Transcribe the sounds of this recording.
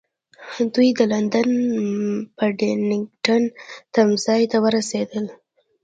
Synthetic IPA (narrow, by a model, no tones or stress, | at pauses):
d̪ujd̪əland̪an | pəɖenɪŋɡʈant̪amzɑjt̪awəɾased̪əl